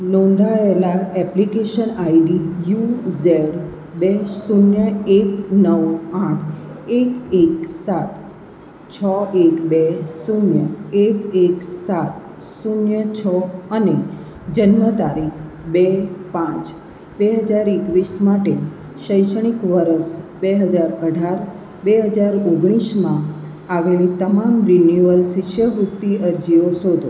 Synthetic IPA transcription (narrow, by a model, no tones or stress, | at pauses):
nɔ̃nd̪ʱaelaɛplikeʃənaiɖijuzeɽ | besunjəeknəʋaʈʰekek̚sat̪ | t͡ʃʰəekbesunjəekeksat̪ | sunjət͡ʃʰɔəne | d͡ʒənmət̪aɾikʰ | bepãt͡ʃ | beɦəd͡ʒaɾekʋismaʈe | ʃəjʃəɽ̃ikʋəɾəsbeɦəd͡ʒaɾəɖʱaɾ | beɦəd͡ʒaɾoɡɽ̃iʃmã | aʋelit̪əmamɾinjuʋəlsiʃjəbukt̪iəɾd͡ʒiosod̪ʱ